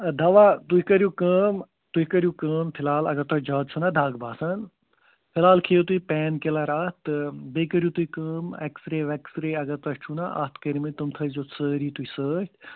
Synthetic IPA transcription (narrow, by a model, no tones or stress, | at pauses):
d̪ɐʋat̪uikɐɾjukəːm | t̪uikɐɾjukəːmpʰilaːlɐ̰ɡɐɾt̪ɐt͡ʃd͡ʒaːd̪̚t͡ʃʰunad̪ʱaːɡbʱaːsɐn | pʰɪlaːlkʰeːjot̪uipɛːnkelaɾaːt̪beːkəɾjut̪uikəːmḛksɾeːʋɐksɾeːɐɡɐɾt̪ɐʃt͡ʃʰuna̰ʔa̰t̪kəɾimit̪umt̪ʰəːzoːsəːɾiːt̪uisəːt͡ʃʰ